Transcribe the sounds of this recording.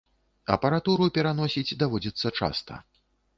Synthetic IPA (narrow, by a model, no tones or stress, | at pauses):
ɐ̰pɐɾat̪uɾupʲɛɾanɔsʲid͡zʲd̪avɔd͡zʲit̪sːɐt͡ʂa̰st̪ɐ̰